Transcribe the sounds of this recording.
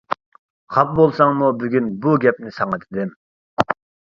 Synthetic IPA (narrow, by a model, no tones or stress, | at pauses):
χʰɑp̚bolˠsɑŋmubyɡʲynbuɡʲɛp̚nɪsɑŋɨt̪ʰɪd̪ɪm